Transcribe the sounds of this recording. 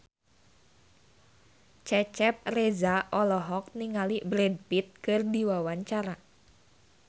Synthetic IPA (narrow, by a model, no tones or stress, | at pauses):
t͡ʃɛt͡ʃɛp̚rɛzaʔɔlɔɦɔk̚niŋalibɾɛd̚pit̪̚kɨrdiwawaɲt͡ʃaɾa